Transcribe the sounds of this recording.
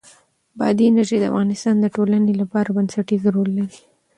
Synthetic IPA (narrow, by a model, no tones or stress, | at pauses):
bɑ̰d̪iɪnaɾʒejd̪əa̰fɣɑnɪst̪ɑnd̪əʈolanelapɑɾabansaʈizɾolːaɾi